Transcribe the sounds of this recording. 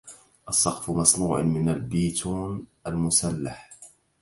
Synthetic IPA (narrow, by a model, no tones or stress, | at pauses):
ʔɑsˤːɑqfʊmɑsˤnuːʕmɪnalbiːt̪ʰuːnʔalmʊsalːaħ